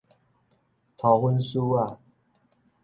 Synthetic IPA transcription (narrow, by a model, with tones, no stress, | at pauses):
t̪ʰa˨˩xə˥nsu˦wa˥˩